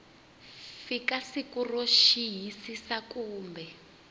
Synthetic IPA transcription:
fikasikuroʃiɦisisakuːmbɛ

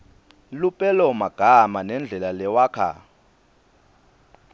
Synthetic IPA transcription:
lupʼɛlɔmaɡ̥ʱamanɛnd͡ɮʱɛlalɛwaːkʰa̰

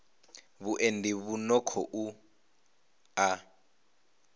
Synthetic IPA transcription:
βuʔendiβunɔkʰɔʔu | a

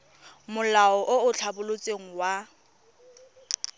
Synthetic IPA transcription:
mʊlaɔʔʊʊt͡ɬʰabʊlot͡sʼeŋ̩wa

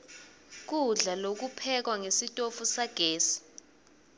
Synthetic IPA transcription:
k̬uɮalok̬upʰɛk̬waŋesitʼofusaɡ̥ʱeːsi̥

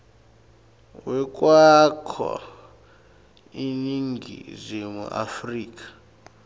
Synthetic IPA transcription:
wɛk̬ʼwakʰɔ̰ | iniŋɡʱḭzʷemṵʔa̰friːk̬ʼḁ

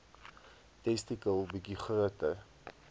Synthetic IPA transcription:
tɛstikəlˠbikiχɾuətər

